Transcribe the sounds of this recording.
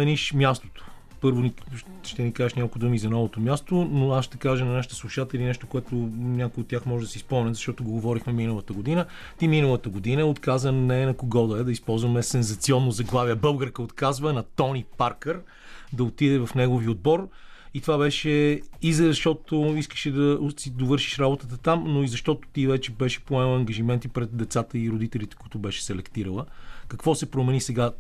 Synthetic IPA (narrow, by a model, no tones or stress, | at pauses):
ɛniʃmjast̪o̥t̪o̥ | pɤɾvoni | ʃt̪ɛnikaʒɛʃnʲakolˠkod̪umizɐnɔvot̪omʲjast̪onoasʃt̪ɛkaʒənɐnaʃət̪ə̥slˠuʃat̪ɛlʲinɛʃt̪okoɛt̪onʲakojot̪ːʲjaxmɔʒɛd̪ɐsispomˠnʲəzɐʃt̪ɔt̪oʊɡoɡovɔɾixmɛminəlˠət̪əɡod̪inə | t̪iminəlˠət̪əɡod̪inəɛot̪kazvənnɛnɐkoɡɔd̪əɛd̪ɐispɔlˠzvɐmɛsɛnzɐt̪siɔnːozɐɡlˠaviəbɤlˠɡəɾkəot̪kazvənɐt̪ɔnipaɾkəɾ | d̪ɐot̪id̪ɛvɐfnɛɡoviod̪̚bɔɾ | it̪ovabɛʃɛizɐʃt̪ɔt̪oiskə̥ʃɛd̪ɐsid̪ovɤɾʃiʃɾabot̪ət̪ət̪amnoizɐʃt̪ɔt̪ʊ̥t̪ivɛt͡ʃɛbɛʃɛ̥poɛlˠɐŋɡɐʒimɛnt̪ipɾɛt̪̚d̪ɛt̪sat̪əiɾod̪it̪ɛlit̪ɛ̥kʊit̪ʊbɛʃɛ̥sɛlɛkt̪iɾəlˠəkɐkvɔsɛpɾomɛnisɛɡa